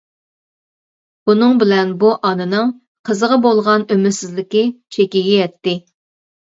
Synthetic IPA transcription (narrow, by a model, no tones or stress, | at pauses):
b̥unɨŋbɪlɛnbuʔɑnɨnɨŋ | qʰəzəʁəbolˠʁɑnømɪɾsɪzlɪkʲɪt͡ʃʰekʲiɡʲijɛt̪ːɪ